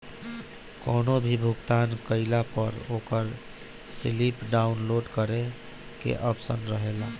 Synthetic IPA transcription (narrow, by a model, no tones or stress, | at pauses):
koːnobʱibʱuɡt̪ankəɪlapəɾokəɾ | silipɖaʊnloɖkəɾe | kḛʔəpsənɾəɦela